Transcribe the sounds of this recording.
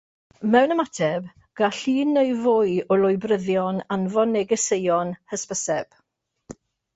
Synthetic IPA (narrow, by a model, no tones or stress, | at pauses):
mɛwnəmatʰɛb | ɡ̥aɬiːnejvʊɨɔlʊjbrəðjɔnanvɔnːɛɡɛsejɔnhəspəsɛb̥